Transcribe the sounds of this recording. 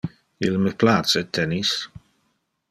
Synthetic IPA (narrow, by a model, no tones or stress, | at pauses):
ilməplat̪sət̪ʰːɛnis